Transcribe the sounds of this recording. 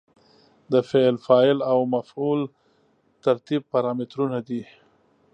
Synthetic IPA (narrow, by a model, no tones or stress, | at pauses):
d̪əfelfɑɪlawmaful | t̪aɾt̪ib̚paɾɑmɪt̪ɾunad̪i